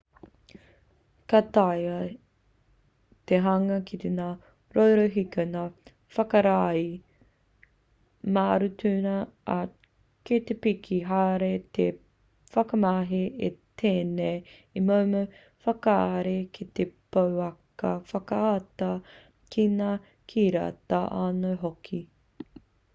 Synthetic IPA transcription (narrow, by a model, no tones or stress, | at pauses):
kat̪ajɐ | t̪eɦɐŋɐkʰit̪enaː | ɾowɾoɦikɐnaː | fɐkɐɾaːi | maːɾutʰʉːnɐa | ket̪epikʰiɦaːɾet̪e | fɐkɐmaɦiet̪ʰeːnejimowmɐ | fɐkaːɾekʰit̪epowɐkɐfɐkɐat̪ɐ | kʰinaː | kʰiːɾa̰t̪ɐʔaːnowɦokʰi